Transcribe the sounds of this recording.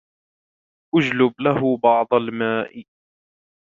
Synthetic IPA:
ʔʊd͡ʒlʊblahʊbɑʕd̪ˤɑlmaːʔɪ

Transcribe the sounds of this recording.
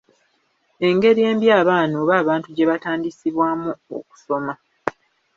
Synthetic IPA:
e̞ŋɡe̞ɾije̞ːmbjaːβaːnoːβaːβaːntuɟe̞βataːndisiβwaːmuo̰ku̥so̞ma

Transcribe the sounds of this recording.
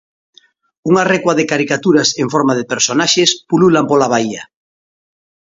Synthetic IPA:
uŋarekwaðekaɾikat̪uɾaseɱfɔɾmað̞epeɾsonaʃespululampolaβ̞aia

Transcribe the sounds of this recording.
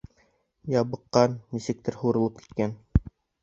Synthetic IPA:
jɑβɤ̆qːɑnːisɘ̆k̚t̪ɘɾhuɾɤ̆lˠɤpki̥t̪kæn

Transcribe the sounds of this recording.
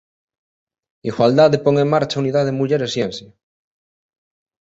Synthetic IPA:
iɣwald̪aðepoŋeŋmaɾt͡ʃauniðaðemuʎeɾesjens

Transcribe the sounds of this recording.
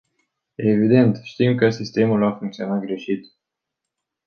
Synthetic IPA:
evid̪e̞nt̪ʃt̪imkəsist̪e̞mulafuŋk̚t̪sio̞nat̪̚ɡɾe̞ʃit̪

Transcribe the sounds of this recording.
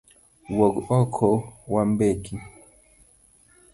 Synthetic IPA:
wɔɡɔkʰɔwambekʰi

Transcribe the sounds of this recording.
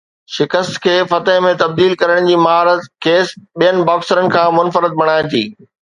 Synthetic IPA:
ʃɪkəst̪kʰeːfɐt̪əɦmẽt̪ɐb̚d̪iːlkɐɾəɽ̃d͡ʑiːmɐɦaːɾət̪keːsɓijənɪ̆baːksəɾənɪ̆kʰãːmʊnfəɾət̪̚bɐɽ̃aːɪ̃t̪ʰḭː

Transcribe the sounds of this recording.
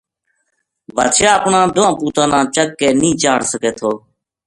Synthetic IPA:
bət̪ʃjaːəpɳãːd̪ʊãːpuːt̪ãːnãːt͡ʃəkːeːnĩːt͡ʃaːɳsəkeːt̪ʰoː

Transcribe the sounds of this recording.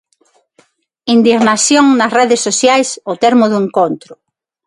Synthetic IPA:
ind̪iɣnasjoŋnɐsreðesːosjajsot̪eɾmʊðʊeŋkont̪ɾʊ

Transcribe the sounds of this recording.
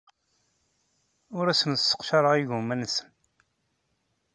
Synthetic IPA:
ʊɾæsənsːə̥qʃɑɾəʁiʝumænəsən

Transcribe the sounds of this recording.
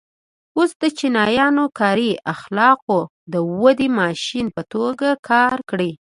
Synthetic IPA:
osd̪ət͡ʃinɑjɑnokɑɾiaxlɑqo | d̪əwəd̪imɑʃinpət̪oɡakʰɑɾkɽi

